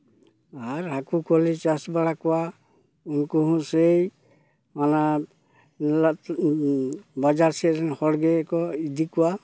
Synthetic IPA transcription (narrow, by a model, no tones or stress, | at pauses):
aɾɦakukɔlit͡ʃasbaɽakɔwa | unkuɦũsej | mana | bad͡ʒaɹsɛɾɛnhɔɽɡɛːkɔid̪ikɔwa